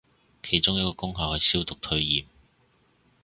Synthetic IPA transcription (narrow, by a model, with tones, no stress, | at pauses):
kʰe˨˩jt͡ʃʊ˥ŋjɐ˥t̚kɔː˧kʊ˥ŋɦɐ˨whɐ˨jsiː˥wt̪ʊ˨k̚t̪ʰɵ˧ɥjiː˨˩m